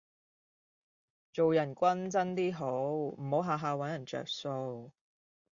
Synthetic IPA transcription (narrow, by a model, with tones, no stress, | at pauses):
t͡so˨wjɐ˨˩nkʷɐ˥nt͡sɐ˥nt̪iː˥ɦo˨˥wm̩˨˩ho˨˥wɦaː˨˧ɦaː˨˧wɐ˨˥njɐ˨˩nt͡sœ̰ː˨k̚so˧w